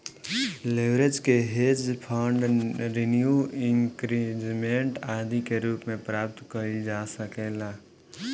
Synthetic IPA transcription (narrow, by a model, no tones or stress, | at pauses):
leʋɾed͡ʒkeɦeːd͡ʒpʰaːɳɖɾinjuɪ̃ŋkɾid͡ʒmẽɳʈaːd̪ikeɾuːpmẽpɾaːp̚t̪kəɾid͡ʒaːsəkeːlaː